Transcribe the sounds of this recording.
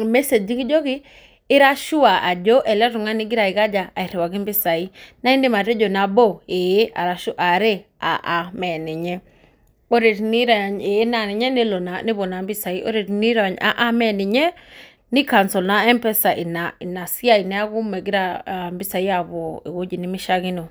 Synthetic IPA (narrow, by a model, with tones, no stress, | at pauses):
mɛ˦se˨d͡ʒi˦ki˦d͡ʒo˦kɪ˦ | ɪ˦ɾa˦ʃu˦a˨ʔa˨d͡ʒo˦ʔɛ˨lɛ˦ɾu˨ŋa˦nɪ˦ɡɪ˦ɾa˨ɪ˨ka˦d͡ʒa˨a˨i˨ɾe˨wa˨ɡi˦mbɪ˦sa˨i˦na˦i˦ndi˦ma˨ɾe˦d͡ʒo˨na˨bo˦˨e˨e˦a̰˨ɾa˨ʃu˦ʔa˨ɾe˦ | a̰˨ʔa˨mɛ˨nɪ˨ɲɛ˦ | o˦ɾe˨tni˦ɾa˨ɲe˨˦na˦˨nɪ˨ɲɛ˦ne˦lo˨na˨nɪ˦bo˨na˨mbɪ˦sa˨i˦ʔo̰˦ɾe˨tni˦ɾa˨ɲa̰˨˦ʔa˦mɛ˦nɪ˨ɲɛ˦ | nɪ˦ka˨nsɔ˨lna˦ɛ˦mpɛ˦sa˨ʔɪ˨na˨na˨si˦a˦˨i˨nɛ˦a˦ku˦mɛ˨ɡɪ˦ɾa˦˨mbi˦sa˨i˦a˨βo˨ḛ˨wo˦d͡ʒi˨nɪ˦mɪ˦ʃa˦ɣɪ˦no˨